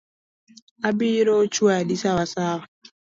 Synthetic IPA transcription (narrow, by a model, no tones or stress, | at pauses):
abiɾot͡ʃuadisawasav